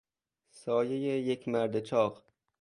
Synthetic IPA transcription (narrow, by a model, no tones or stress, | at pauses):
sɒːjejejekʰʲmæɾd̪et͡ʃʰɒq